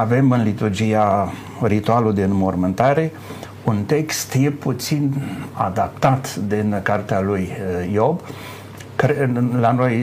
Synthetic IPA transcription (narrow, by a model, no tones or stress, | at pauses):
ave̞mɨnlit̪urd͡ʒija | rit̪ualud̪enmo̞rmɨnt̪aɾe̞ | unt̪e̞kst̪je̞put̪sina̰d̪ap̚t̪at̪d̪ɨnkart̪ealujːo̞b | kɾlano̞j